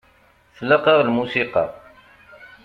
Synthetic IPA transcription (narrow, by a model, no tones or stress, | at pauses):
θəlɑqɑʁlmusiqɑ̰